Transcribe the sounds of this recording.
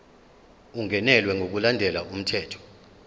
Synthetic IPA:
uŋɛnɛlwɛŋok̬ulandʱɛlaum̩tʰɛːtʰɔ̥

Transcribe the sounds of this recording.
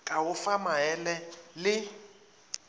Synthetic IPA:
kʼaɦʊfamaɛlɛlɪ

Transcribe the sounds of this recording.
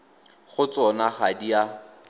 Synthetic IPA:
χʊt͡sɔnaχadia

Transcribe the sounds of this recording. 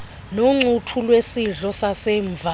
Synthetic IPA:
noŋ͡ǀʱutʰulwesiɮɔsasɛːɱvʱa

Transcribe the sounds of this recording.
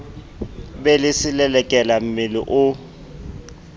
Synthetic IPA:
bɛlɪsɪlɛlɛkʼɛlam̩mɪlɪ̰ʔʊ

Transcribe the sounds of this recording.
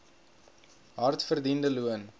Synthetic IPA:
ɦɐrtfərdindəluən

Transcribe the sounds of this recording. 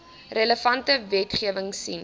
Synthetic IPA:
rələfɐntəvɛtχiəvəŋsḭn

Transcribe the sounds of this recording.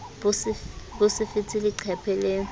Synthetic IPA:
bsbusifitʰiliǀʰɛpʰɛleːŋ

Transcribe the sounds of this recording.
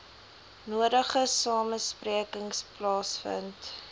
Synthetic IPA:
nuəɾəχəsɑːməspriəkəŋsplɑːsfə̰nt

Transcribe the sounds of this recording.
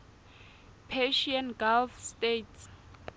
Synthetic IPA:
pʰɛʃianɡalfstetʰs

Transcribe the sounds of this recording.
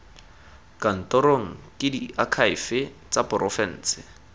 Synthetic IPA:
kan̩tɔɾoŋ̩kɪdiakʰaɪfɪ | t͡sapʼʊrʔɔfɛn̩ːt͡sɪ

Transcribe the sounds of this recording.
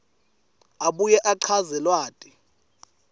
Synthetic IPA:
aɓujɛʔaǃʰazɛlwaːtʼi̥

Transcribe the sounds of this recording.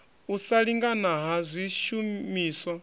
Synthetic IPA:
usaɺiŋɡanaɦazʷiʃumiːswa

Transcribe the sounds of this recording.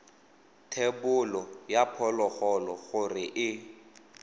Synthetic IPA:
tʰebʊlɔjapʰɔlɔχɔlɔɣʊrɪʔɪ

